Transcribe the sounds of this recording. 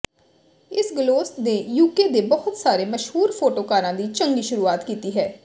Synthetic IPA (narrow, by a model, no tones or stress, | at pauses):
ɪsɡloːsneːjuːkeːd̪eːbɔɦʊt̪saːɾeːməʃhuːɾpʰoːʈoːkaːɾãːd̪iːt͡ʃəŋɡiːʃʊɾuːaːt̪kiːt̪iːɦɛː